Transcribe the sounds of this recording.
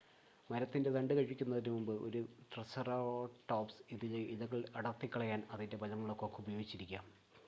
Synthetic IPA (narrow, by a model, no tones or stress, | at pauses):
mɐɾɐt̪ːindet̪ɐɳɖɨkɐɻipikʲːunːɐðinumumbɨʔo̞̰ɾuʈrɐsɐroʈːoːpsiðilɐiðɐɣːɐɭɐɽɐrt̪ːikʲːɐɭɐjaːnɐðinde̞pɐlɐmɐɭo̞ːkːo̞ːkːɨubɐjo̞ːɡit͡ɕːiɾikʲːaːm